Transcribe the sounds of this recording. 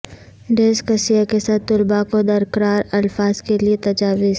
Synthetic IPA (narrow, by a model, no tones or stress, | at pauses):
ɖeːskɐsijakesaːt̪ːʊlbakod̪ɐɾkəɾaːɾɐlfaːzkeliet̪ɐd͡ʒaːʋɪz